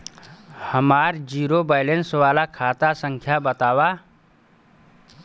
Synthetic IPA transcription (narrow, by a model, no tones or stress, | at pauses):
həmaːɾd͡ʒiːɾobaːɪlẽnsʋaːlakʰaːt̪asə̃ŋkʰjabət̪aːʋa